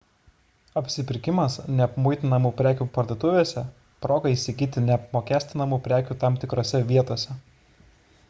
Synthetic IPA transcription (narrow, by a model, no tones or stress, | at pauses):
ɐpʲsʲɪpʲɪɾʲkʲɪmɐsnʲɛɐpmʊɪt̪ʲɪnɐmuːpʲɾʲæːkʲuːpɐɾʲd̪ot̪ʊʋʲeːsʲɛ | pɾoːɡɐiːsʲɪɡʲiːt̪ʲɪnʲɛp̚moːkʲæːsʲt̪ʲɪnɐmuːpʲɾʲæːkʲuːt̪ɑmt̪ʲɪkɾoːsʲɛʋʲiɛt̪oːsʲɛ